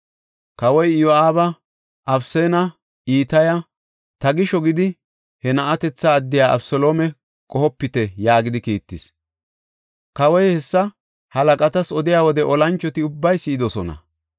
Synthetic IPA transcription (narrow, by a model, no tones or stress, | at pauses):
kɐwɔjjɔaːbɐ | ʔɐbseːnɐ | ʔiːt̪ɐjɐ | t̪ɐɡɪʃɔɡɪd̪ɪ | hɛnɐʔɐt̪ɛt͡sːɐːd̪ːɪjaːʔɐ̰bsɔloːmɛ | kʼɔɦɔpːɪt̪ɛjaːɡɪd̪ɪkiːt̪ːɪs | kɐwɔjhɛsːɐ | hɐlɐkʼɐt̪ɐsɔd̪ɪjaːwɔd̪ɛʔɔlɐnt͡ʃːɔt̪ɪʊbːɐjsɪːɪd̪ɔsɔnɐ̰